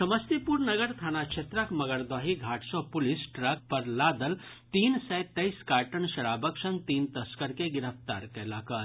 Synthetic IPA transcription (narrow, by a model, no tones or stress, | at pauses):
sɐməst̪ipuɾnəɡəɾt̪ʰaːnat͡ʃʰet̪ɾakməɡəɾd̪aːɦiɡʱaʈsopulisʈɾak̚pəɾlad̪əl | t̪iːnsɛjt̪ɐjskaːʈəɳʃɐɾabəksənt̪iːnt̪əskəɾkeɡiɾəpʰt̪aɾkɛlakəl